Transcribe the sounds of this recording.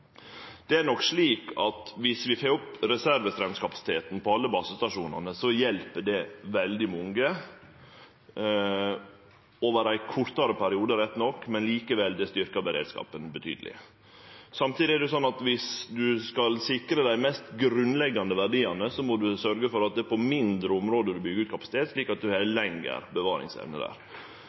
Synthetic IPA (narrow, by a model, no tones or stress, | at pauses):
d̪̥ɛæɾnɔkʂɭiːkʰɑt̪ʋɪsʋɪfeːɾʊpɾɛsæɾʋəsɾɛnskʰɑpɑsɪ̥t̪ʰeːt̪n̩pʰɔɑlːəbɑːsəst̪ɑʂuːnɑ̰nəsɔjɛlpəɖɛʋɛld̪ɪmʊŋɡə | oːʋəɾæɪkʰʊɾt̪ɑɾəpʰæɾɪuːd̪əɾɛt̪nɔkːmɛnliːkəʋɛld̪ɛst̪ʏɾkɑbəɾḛːd̪skɑ̰ːpənbət̪ʰy̰d̪əlɪ̰ | sɑmt̪ʰiːd̪ɪɛɾɖɛs̬ɔnːɑt̪ʋɪsd̪ʉskɑlsɪkɾəd̪æɪmɛst̪ɡɾʉnlɛɡːɑnd̪əʋæɖiːɑnəsɔmɔd̪ʉsœɾɡəfɔɾɑt̪̚d̪ɛpʰɔmɪnd̪ɾəʊmɾoːd̪əd̪ʉbʏɡəʉːt̪̚kʰɑpɑsɪt̪eːt̪ʂɭiːkɑt̪̚d̪ʉhɛlɛŋɡə̰ɾbəʋɑːɾɪ̰ŋsɛ̰ʋnə̰d̪æ̰ːɾ